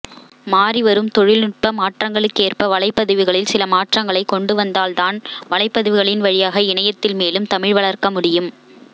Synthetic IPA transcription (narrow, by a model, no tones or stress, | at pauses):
maːriʋɐɾɯmt̪ɔɻɪlnɪʈ̚pɐmaːʈrɐŋɡɐɭɯkːeːrpɐʋɐɭɐɪpːɐðɯʋɪɣɐɭɪlsɪlɐmaːʈrɐŋɡɐɭɐɪkːɔɳɖɯʋɐnd̪aːlt̪aːnʋɐɭɐɪpːɐðɯʋɪɣɐɭɪnʋɐɻɪjaːɣɐɪɳɐjɐt̪ːɪlmeːlɯmt̪ɐmɪɻʋɐɭɐɾkɐmʊɽɪjɯm